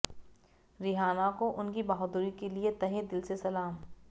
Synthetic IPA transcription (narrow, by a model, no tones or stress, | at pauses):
ɾɪɦaːnakoʔʊnkibaːɦʊd̪uɾikeliet̪ɐɦed̪ɪlsesɐlaːm